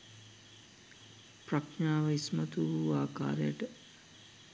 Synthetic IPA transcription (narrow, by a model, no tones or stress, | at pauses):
prɐknaːʋɐismɐt̪uuaːka̰ːɾejəʈə